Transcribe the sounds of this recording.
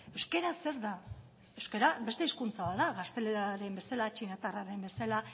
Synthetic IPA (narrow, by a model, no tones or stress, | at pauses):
e̞wske̞ɾase̞ɾða | ewske̞ɾabe̞st̪e̞iskunt͡saβaðaɣast̪e̞leɾaɾe̞mbe̞salat͡ʃinat̪araɾe̞mbe̞sala